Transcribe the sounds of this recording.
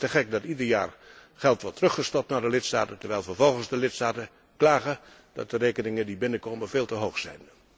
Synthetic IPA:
təχɛk̚dɑtidəɹja̰ːr | χɛlˠtʋɔtrɵχəstɔp̚tnaːɹdəlɪtsta̰ːtəntəɹʋɛjlˠvəɹvɔlˠχənzdəlɪtstaːtə | klaːɣə | dɑ̰t̚dərejkənɪŋədibɪnəkowmənveːlˠtəɦowxsɛ̰jn

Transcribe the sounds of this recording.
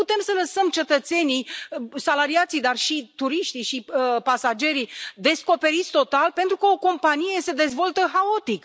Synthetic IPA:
put̪e̞msələsəmt͡ʃe̞t̪ət̪se̞nijsalaɾiat̪sijd̪arʃit̪uɾiʃt̪iʃipasad͡ʒe̞ɾid̪e̞sko̞pe̞ɾit̪sʲt̪o̞t̪alpe̞nt̪ɾukəo̞ko̞mpanije̞se̞d̪e̞zvo̞lt̪əxao̞t̪ik

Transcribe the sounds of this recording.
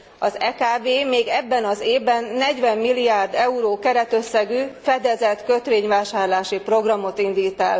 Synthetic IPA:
ɒzɛkaːbeːmeːɡɛbːɛnɒzeːvbɛnːɛɟʋɛmːilːiaːrd̪ɛuɾoːkɛɾɛt̪ø̞sːɛɡyːfɛd̪ɛzɛt̪kø̞t̪ʋeːɲvaːʃaːrlaːʃipro̞ɡrɒmo̞t̪ind̪iːt̪ɛl

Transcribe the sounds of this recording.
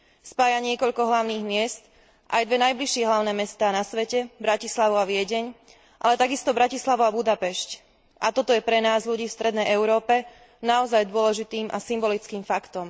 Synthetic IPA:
spaːjaɲɪɛkɔʎkɔɦlaʊniːɣmɪɛst̪ | ʔajd̪ʋɛnajbliʃɪɛɦlaʊnɛːmɛst̪aːnasʋɛcɛbɾacislaʋuaʋɪɛɟɛɲ | ʔa̰lɛt̪aɡist̪ɔbɾacislaʋuabud̪apɛʃc | ʔat̪ɔt̪ɔjɛpɾɛnaːzʎuɟiːfst̪ɾɛd̪nɛjɛʊɾɔːpɛ | naɔzajd̪ʊɔlɛʒit̪iːmʔasimbɔlit͡skiːmfakt̪ɔm

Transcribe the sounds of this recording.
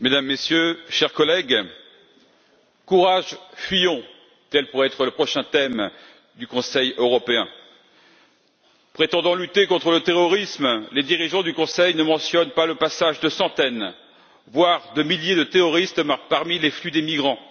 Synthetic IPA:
med̪amːesjøʃɛʁkɔlɛɡ | kuʁaʒfɥijɔ̃ | t̪ɛlpuʁɛɛt̪χələpχɔʃɛ̃t̪ɛm | d̪ykɔ̃sɛjøʁɔpeɛ̃ | pχet̪ɑ̃d̪ɑ̃lyt̪ekɔ̃t̪χələt̪eʁɔʁismled̪iʁiʒɑ̃d̪ykɔ̃sɛjnəmɑ̃sjɔnpaləpasaʒd̪əsɑ̃t̪ɛn | vwaʁd̪əmiljed̪ət̪eʁɔʁist̪makpaʁmileflyd̪emiɡʁɑ̃

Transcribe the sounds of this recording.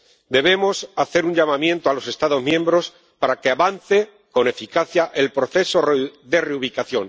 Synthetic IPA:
d̪e̞βe̞mo̞saθe̞ɾuɲʝamãmjẽ̞nt̪oalo̞se̞st̪aðo̞zmjẽ̞mbɾo̞s | paɾakeaβan̟θe | ko̞ne̞fikaθjaʔe̞lpɾo̞θe̞so̞ðe̞reuβ̞ikaθjo̞ŋ

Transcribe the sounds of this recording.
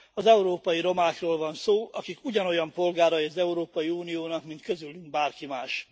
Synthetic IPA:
ɒzɛuɾoːpɒjiɾo̞maːkroːlvɒnsoːʔɒkikuɟɒno̞jɒmpo̞lɡaːɾɒjiɒzɛuɾoːpɒjiuːnijoːnɒkmint̪kø̞zylːyŋ̚baːrkimaːʃ

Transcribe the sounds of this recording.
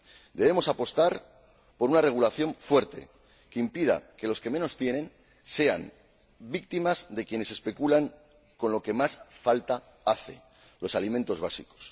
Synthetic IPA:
d̪e̞β̞e̞mo̞sapo̞st̪aɾ | po̞ɾunare̞ɣ̞ulaθjo̞ɱfwe̞ɾt̪e̞̰ | keimpiða̰ke̞lo̞ske̞me̞no̞st̪je̞nẽ̞n | se̞a̰m | bik̚t̪imazðe̞kje̞ne̞se̞spe̞kulaŋ | ko̞nlo̞ke̞masfalt̪a | aθe̞ | lo̞salimẽ̞nt̪o̞zβ̞asḭko̞̥s

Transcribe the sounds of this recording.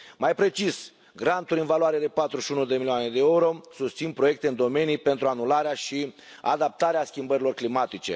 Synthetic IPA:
majpɾe̞t͡ʃis | ɡɾant̪uɾʲɨnvaloaɾe̞d̪e̞pat̪ɾuʃiunud̪e̞milioane̞d̪e̞euɾo̞sust̪sinpɾo̞je̞k̚t̪e̞ɨnd̪o̞me̞nijpe̞nt̪ɾuanulaɾeaʃia̰d̪ap̚t̪aɾeaskʲimbəɾilo̞rklimat̪it͡ʃe̞̰

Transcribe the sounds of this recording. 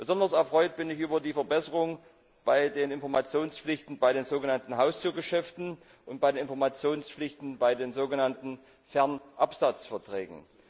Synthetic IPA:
b̥əzɔndɐsɛɐfʁ̥ɔʏt̚b̥ɪnɪçʔyːbɐdiːfɛɐbɛsəʁʊŋ | b̥aɪdeːnɪnfɔɐmat͡sjoːnsflɪçtn̩baɪɾeːnzoːɡənantn̩ɦaʊstuːɐɡəʃɛftn̩ | ʔʊnt̚b̥aɪdeːnʔɪnfɔɐmat͡sjoːnsflɪçtn̩baɪdeːnzoːɡənantn̩ | fɛɐnʔapz̥at͡sfɛɐtʁ̥ɛ̰ːɡŋ̩

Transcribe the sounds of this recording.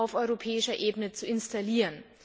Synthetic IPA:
aʊfʔɔʏʁopʰɛːɪʃɐʔeːbənət͡suɪnstaliːʁən

